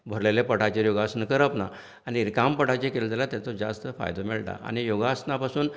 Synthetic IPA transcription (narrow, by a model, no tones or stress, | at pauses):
bʱəɾlelepəʈat͡ɕejoɡasnəkəɾəpna̰ | aniɾkampəʈat͡ɕekelt̪alat̪jat͡sod͡ʑast̪əfa̰jd̪omɛɭʈa̰ʔa̰ñijoɡasnapasuːn